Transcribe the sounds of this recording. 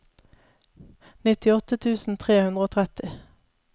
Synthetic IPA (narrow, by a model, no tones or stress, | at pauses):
nɪt̪ɪɔt̪ət̪ʰʉːsn̩t̪ʰʁeːhʉnd̪ʁəoːt̪ʰʁɛt̪ɪ